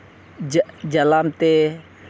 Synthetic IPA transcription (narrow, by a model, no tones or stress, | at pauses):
d͡ʒalamt̪e